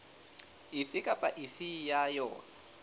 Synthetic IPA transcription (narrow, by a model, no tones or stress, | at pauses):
ifɪkʼapʼaʔifijajɔːna